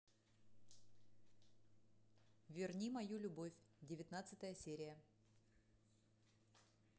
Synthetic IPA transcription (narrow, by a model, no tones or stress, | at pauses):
vʲɪrnʲimɐjulʲʊbofʲdʲɪvʲɪt̪nat̪sɨt̪əjəsʲeɾʲɪjə